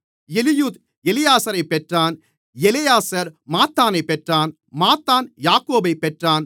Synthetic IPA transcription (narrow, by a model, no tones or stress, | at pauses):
ɛlɪjuːt̪ | ɛlɪjaːsɐɾɐɪpːɛʈraːn | ɛlɪjaːsɐɾmaːt̪ːaːnɐɪpːɛʈraːn | maːt̪ːaːnjaːkoːbɐɪpːɛʈraːn